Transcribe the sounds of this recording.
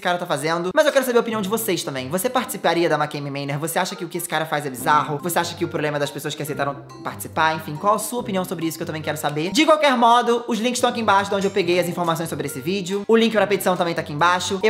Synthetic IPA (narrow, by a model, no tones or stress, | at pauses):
sɪ̥kaɾɐt̪afazẽnd̪ʊmɐzewkɛɾʊsabeɾopiniɐ̃w̃d͡ʒɪvoseʃt̪ɐ̃mbẽj̃vosepaɾt͡ʃɪ̥sipaɾiɐd̪ɐmakẽjmimẽneɾvoseaʃɐkɪʊkɪesɪ̥kaɾɐfajzɛbizaɦʊvoseaʃɐkɪʊpɾoblẽmɐd̪ɐspesoɐskɪasejt̪aɾɐ̃w̃ | paɾt͡ʃɪ̥si̥paɾẽfĩkwawɛsuɐopiniɐ̃w̃sobɾɪisʊkewt̪ɐ̃mẽj̃kɛɾʊsabed͡ʒɪkwawkɛɾmɔd̪ʊʊzlĩkɪst̪ɐ̃akiẽbaʃʊd̪õñd͡ʒɪewpeɡejɐzĩfoɾmas̬õj̃sobɾɪesɪvid͡ʒʊʊlĩŋkɪpɾɐpet͡ʃisɐ̃w̪̃ɐmẽt̪akiẽbaʃʊe